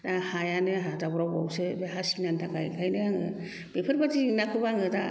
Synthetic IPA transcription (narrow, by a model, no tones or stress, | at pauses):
dahajanɯɦadabɔɾawba̰wsɯbeɦasinantʰaka̰jkʰajnɯaŋɯ̰ | bepʰɯɾbatinakʰɯbaŋɯda̰